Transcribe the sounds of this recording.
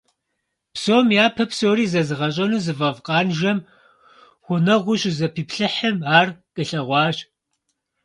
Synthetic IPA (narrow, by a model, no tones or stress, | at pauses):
pʰsoːmjaːpʰɐpsoːɾiːzɐzɨʁɐɕ̬ʼɐnuːzɨvɐvqʼɑːnʒɐm | χʷʊnɐʁʷʊɕzɐpʰiːpɬɨħəmaːrkʼɨɬɐʁʷɑːɕ